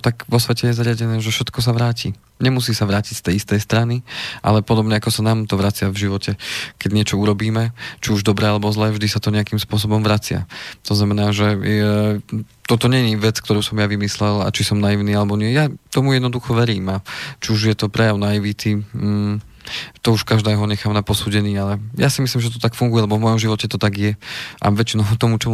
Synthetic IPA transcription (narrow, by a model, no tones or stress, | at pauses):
t̪aɡʋɔsʋɛcɛjɛzaɾɪaɟɛnɛːʒɛfʃɛt̪kɔs̬aʋɾaːci | ɲɛmusiːsaʋɾaːcicst̪ɛjist̪ɛjst̪ɾaniʔa̰lɛpɔd̪ɔbɲɛakɔsanaːmt̪ɔʋɾat͡sɪavʒiʋɔcʰɛkɛɟɲɪɛt͡ʃɔuɾɔbiːmɛt͡ʃiuʒd̪ɔbɾɛːalɛbɔzlɛːvʒd̪isat̪ɔɲɛakimspʊɔs̬ɔbɔmʋɾat͡sɪa̰t̪ɔznamɛnaːʒɛ | t̪ɔt̪ɔɲɛɲiʋɛt͡sk̚t̪ɔɾuːsɔmjaʋimislɛla̰t͡ʃisɔmnajiʊniːalɛbɔɲɪɛjat̪ɔmujɛd̪nɔd̪uxɔʋɛɾiːmat͡ʃiuʒjɛt̪ɔpɾɛjaʊnaiʋit̪iː | t̪ɔuʃkaʒd̪ɛːɦɔɲɛxaːmnapɔsuːɟɛɲiːalɛjasimisliːmʒɛt̪ɔt̪akfuŋɡujɛlɛbɔvmɔjɔmʒiʋɔcɛt̪ɔt̪aɡjɛʔa̰ʋɛt͡ʃinɔʊt̪ɔmut͡ʃɔ